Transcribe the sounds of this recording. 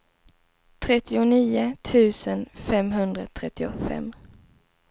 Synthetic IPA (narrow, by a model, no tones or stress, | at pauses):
t̪ʰɾɛt̪ːɪʊniːʊt̪ʰʉ̟ːsənfɛmɦɵnd̪ɾat̪ʰɾɛt̪ːɪʊfɛ̰mː